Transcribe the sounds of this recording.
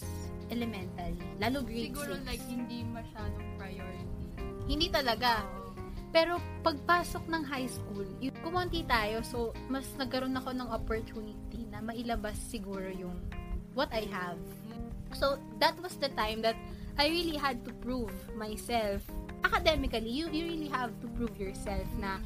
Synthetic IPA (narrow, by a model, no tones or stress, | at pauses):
ʔɛlɛmɛnt̪ɐl | laːlʊɡɹiɡːolaɡhɪnd̪imɐʃaːd̪oŋpɹɐjoɾɪt̪ihɪnd̪it̪ɐlɐɡa | pɛːɾo̞ | pɐɡ̚paːso̞k̚nɐŋɦajskulʊkʊmont̪it̪aːjo̞so̞ | mɐsnɐɡ̚kɐɾo̞nɐko̞nɐŋʔopoɹt̪uːnɪt̪inɐmɐʔɪlɐbasːɪɡuːɾo̞jʊŋwɔt̪ajɦɐv | so | d̪ɐt̪̚wɐsd̪ɐt̪ãjmd̪ɐt̪̚ | ʔajɹiliɦɐd̪̚t̪ʊpɹuvmajsɛlf | ʔɐkɐd̪ɛmɪkɐlijujuɹiliɦavt̪ʊpɹuvjɔɹsɛlfnɐ